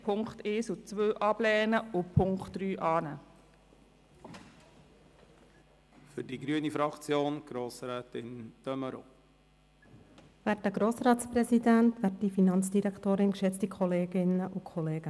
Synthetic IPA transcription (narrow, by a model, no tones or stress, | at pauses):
pʰʊŋkχteːsʊt͡sʋøːʔɑb̥lɛːnəʊpʰʊŋktɾyːʔɑːnə | fʏɾdiɡɾyənifɾɑkt͡sjoːnɡ̥ɾoːsɾɛːtɪnt̪œməɾo̰ | væɾtːəɡ̥ɾoːsrɑːtspɾɛsidæntʋɛrtdifinɑnt͡sd̥iɾɛktoːɾɪnkʃɛt͡stikχɔleːɡɪnəʔukʰχɔleːɡ̥ə